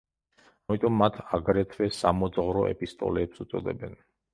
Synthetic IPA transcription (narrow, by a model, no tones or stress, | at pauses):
amit̪ʼɔmːat̪ʰaɡɾɛt̪ʰvɛsamɔd̪zʁɾɔʔɛ̰pʼist̪ʼɔ̰lɛːpsut̪sʼɔ̰d̪ɛbɛn